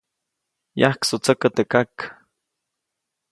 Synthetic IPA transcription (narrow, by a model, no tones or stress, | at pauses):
jahksot͡səkat̪ekak